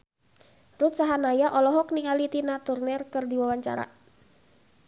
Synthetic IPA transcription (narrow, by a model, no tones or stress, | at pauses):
rut̪̚saɦanajaʔɔlɔɦɔk̚niŋalit̪inat̪urnɛrkərdiwawaɲt͡ʃa̰ɾa̰